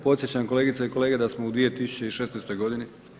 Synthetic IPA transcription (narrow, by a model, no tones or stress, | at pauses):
po̞t̪sjet͡ɕamko̞le̞ːɡit̪saiko̞le̞ːɡed̪asmoud̪ʋije̞t̪isu̥t͡ɕe̞iʃeːsnest̪o̞jɡo̞d̪ini